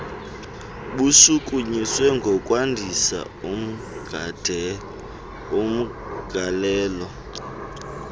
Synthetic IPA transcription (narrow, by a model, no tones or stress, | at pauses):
ɓusukʼuɲiswɛŋɡʱɔkʼwandʱisa̰ | um̩ | ɡ̥ʱd̥ʱ | um̩ | ɡ̥ʱalɛːlɔ